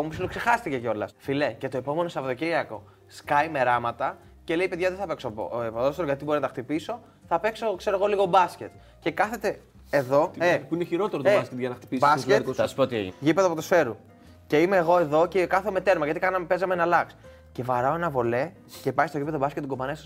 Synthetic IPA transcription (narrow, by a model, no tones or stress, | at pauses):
omusilokse̞xɐst̪ice̞ceo̞lɐ̰sfilece̞t̪o̞epo̞me̞no̞sɐvðo̞ciɾiɐko̞ | skɐjme̞ɾɐmɐt̪ɐ | ce̞le̞ipe̞ðʝɐðeθɐpe̞ksopoepoðost̪eɾoʝɐt̪ibo̞ɾinɐt̪ɐxt̪ipiso̞ | θɐpe̞kso̞kse̞ɾoɣo̞liɣo̞bɐsce̞t̪ | cekɐθe̞t̪e̞ː | ðo̞epuineçiɾo̞t̪eɾot̪obɐskʲet̪ʝɐnɐt̪i̥pisbɐsketosɐspot̪ieʝipeðoɐpot̪osfe̞ɾu | ce̞imeːɣo̞e̞ðo̞cekɐθome̞t̪e̞ɾmɐʝɐt̪ikɐnɐmepe̞zɐmenɐlɐks | ce̞vɐɾɐoenɐvo̞le̞ | ce̞pɐjist̪oʝipeðobɐskʲet̪ːɡobɐnesɐ